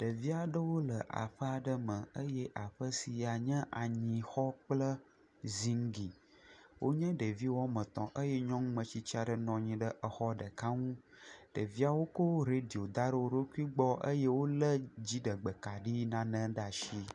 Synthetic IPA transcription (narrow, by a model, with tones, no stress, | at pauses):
ɖ̥ə˨vi˦a˨ɖə˦wo˦lə˨ʔa̰˨ɸə˦a˨ɖə˦mə̃˨ə˦jɛ˦ʔa˨ɸə˦si˨ja˨ɲɛ̃˦ʔa˨ɲĩ˨xɔ˦k͡plə˦ | zi˦ŋ˦ɡi˨ | wʔo˦ɲə̃˦ɖə˨vi˦wɔ˦mə̃˨t̪ɔ̃˨ʔə˦jɛ˦ɲɔ̃˦ŋ˦mə̃˨t͡ɕi˦t͡ɕi˦a˨ɖə˨nɔ̃˨ɲĩ˨ɖə˦ʔə˨xɔ˦ɖə˨ka˦ŋũ˦ | ɖ̥ə˨vi˦a˨wo˦ko˦ɾe˦ɖi˨o˨d̪a˦ɖə˦wo˨ɾo˦ku˦i˦ɡ͡bɔ˦ʔə̰˦je˦wo˦lə˦d͡ʑi˦ɖə˨ɡ͡bə˨ka˨ɖi˦nã˦nə̃˦ɖa˨ʃi˦